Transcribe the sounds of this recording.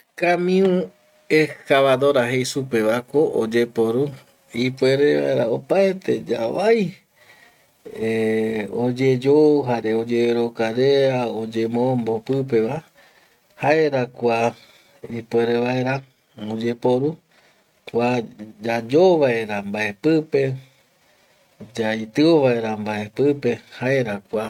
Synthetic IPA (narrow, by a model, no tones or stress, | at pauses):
kamĩũ | ekaβad̪o̞ɾaɦejsupe̞βakoʔo̰d͡ʒe̞po̞ɾu | ipwe̞ɾeβa̰eɾa̰opaet̪ʰe̞d͡ʒa̰βaj | eod͡ʒe̞d͡ʒoɦaɾe̞o̞d͡ʒeeɾokaɾeaod͡ʒe̞mõmbopɨp̬e̞ʋa | haeɾakʷa | ipwe̞ɾeβaeɾa | od͡ʒe̞po̞ɾu | kʷad͡ʒad͡ʒoβaeɾambae̞pɨpe̞ | d͡ʒait̪ɨoβaeɾambae̞pɨpe̞haeɾakʷa